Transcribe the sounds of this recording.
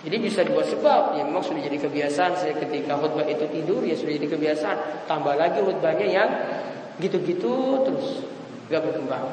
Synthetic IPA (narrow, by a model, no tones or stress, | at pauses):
d͡ʒadibisadibuat̪səbap̚jamemaŋsudahd͡ʒadikəbiasansajakət̪ikaɦot̪̚bait̪ut̪idʊrjaŋsudad͡ʒadikəbiasaant̪ambahlaɡiɦɔt̪̚baɲajaŋ | ɡit̪uɡit̪ut̪əɾʊs | ɡaʔbəɡəba